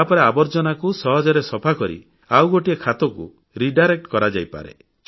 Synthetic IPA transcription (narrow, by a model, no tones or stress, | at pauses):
apɔɾeabɔɾd͡ʒɔnakusɔɦɔd͡ʒɔɾesɔpʰakɔɾḭ | awɡoʈiekʰat̪ɔkṵ | ɾiɖajɾek̚ʈkɔɾad͡ʒa̰jpa̰ɾḛ